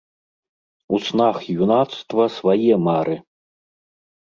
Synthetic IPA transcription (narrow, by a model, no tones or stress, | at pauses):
usnaxjunat̪st̪vɐsvajɛmaɾʔɨ